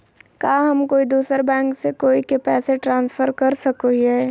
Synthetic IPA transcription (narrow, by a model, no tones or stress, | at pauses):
kaːɦɐmkoːid̪uːsəɾbɛ̃ːŋksekoːikepɛːseʈɾãːnsfʰəɾkɐɾsɐkoiɦɛː